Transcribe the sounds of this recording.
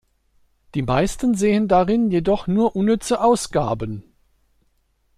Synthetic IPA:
d̥iːmaɪstən̩zeːəndaʁɪnjedɔχnuːɐʔʊnːʏt͡səʔaʊsɡ̥a̰ːbən

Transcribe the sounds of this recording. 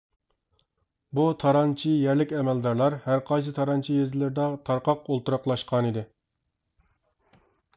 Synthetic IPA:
but̪ʰɑɾɑnt͡ʃʰijɛɾlɪkʲɛmɛld̪ɑɾlˠɑɾhæɾqʰɑjs̬ɨt̪ʰɑɾɑnt͡ʃʰijezɪlɪɾd̪ɑt̪ʰɑɾqɑqolˠt̪uɾɑqlˠɑʃqʰɑnid̪ɪ

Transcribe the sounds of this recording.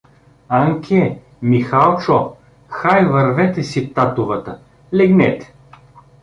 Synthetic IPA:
aŋkʲʰɛ | mixalˠt͡ʃɔ | xajvɐɾvɛt̪ɛsip̚t̪at̪ʊvət̪ə | lɛɡnɛt̪ɛ̥

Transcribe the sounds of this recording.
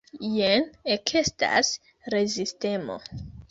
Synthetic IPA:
jenekʰesta̰s | ɾe̞ziste̞mo̞̰

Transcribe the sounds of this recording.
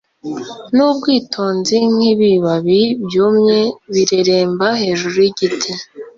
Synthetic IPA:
nuːb̚ɡiːtʰo̞ːnziŋ̥iβiβaβibjoːmɲeβiɾeɾe̞ːmbahe̞ːʒuɾujiɟitʰe

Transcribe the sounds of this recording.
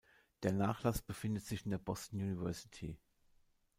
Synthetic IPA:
d̥eːɐnaːχlasb̥əfɪndətz̥ɪçɪndeːɐbɔstn̩junivɛɐsi̥tʰḭː

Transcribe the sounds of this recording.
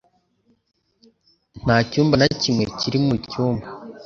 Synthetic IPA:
n̥aːcuːmbanacimŋe̞̰ciɾimucuːmba

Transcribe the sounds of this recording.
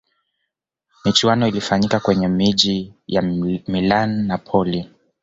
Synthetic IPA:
mit͡ʃuanɔilifaɲikakwɛɲɛmiʄijamilanːapʰɔli

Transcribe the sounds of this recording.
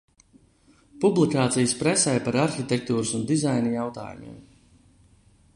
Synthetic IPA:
publˠikaːt̪sijəspɾɛsɛjpaɾaɾxit̪ʲek̚t̪uːɾɨsund̪izajnɨjawt̪a̰ːjṵmḭːm

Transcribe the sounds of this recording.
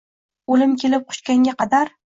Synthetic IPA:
olɪmkʲʰe̞lɪp̚qʰʊ̥ʃt͡ʃkʲaŋɡʲaqʰɑd̪aɾ

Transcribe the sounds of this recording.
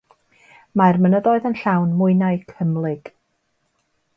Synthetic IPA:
majrmənəðɔɨðənɬawnmʊɨnaɨkʰəmlˠɪɡ̥

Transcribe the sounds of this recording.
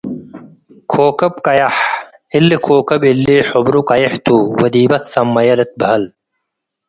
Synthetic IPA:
kʰoːkɐb̚kɐjɐħ | ilːikʰoːkɐbilːiħobɾukɐjeħt̪uːwɐd̪iːbɐt̪sɐmːɐjɐlɐt̪̚bɐɦɐl

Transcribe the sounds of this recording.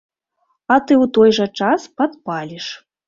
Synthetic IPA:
ɐt̪ɨwt̪ɔjʐɐt͡ʂaspad̪palʲiʂ

